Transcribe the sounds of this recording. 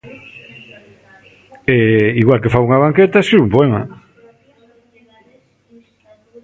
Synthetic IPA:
ɛiɣwalkefauŋaβaŋket̪asiumpoɛma

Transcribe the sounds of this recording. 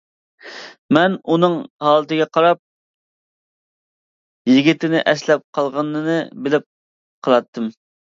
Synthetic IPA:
mɛnunɨŋhɑːlˠɨt̪ɪɡʲɛqʰɑɾɑp̚ | jiɡʲit̪ʰɪnɪʔɛslɛp̚qʰɑlˠʁɑnːɨnɨbɪlɪp̚ | qʰəlɾˠɑt̪ʰːɨm

